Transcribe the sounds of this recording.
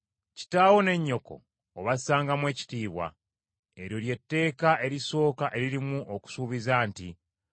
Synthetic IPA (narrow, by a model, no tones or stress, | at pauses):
ci̥taːwo̞ne̞ɲːo̞ko̞̰ː | βasaːŋɡamwe̞ːci̥tiːβwa̰ | e̞ɾjo̞lje̞tːe̞ːkaʔe̞ɾiso̞ːkaʔe̞ɾiɾimuʔoku̥suβizaːnti